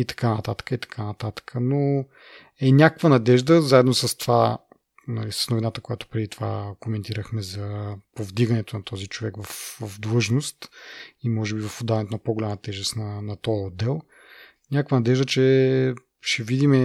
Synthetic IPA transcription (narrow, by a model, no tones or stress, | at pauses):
it̪ɐ̥kanɐt̪at̪ə̥kəit̪ɐ̥kʰanɐt̪at̪ə̥kʰəno | ɛnʲakəkvənɐd̪ɛʒd̪əzaɛd̪nosəst̪ova | nɐlisə̥snovinat̪əkojat̪ʊ̥pɾɛd̪it̪ova̰komɛnt̪iɾəxmɛzɐpovd̪iɡənɛt̪onɐt̪ʰɔzit͡ʃovɛkvɐfvɐfd̪lˠɤʒnost̪imɔʒɛbivɐfod̪avɐnɛt̪onɐpoɡolʲamət̪ɛʒɛst̪nɐnɐt̪ɔjəod̪ːɛlˠ | nʲakəkvənɐd̪ɛʒd̪ət͡ʃɛ | ʃɛvid̪imɛ